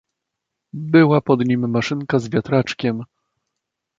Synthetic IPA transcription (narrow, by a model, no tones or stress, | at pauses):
bɘwapɔd̪ɲimːaʂɘŋkazvʲjat̪ɾat͡ʂkʲɛm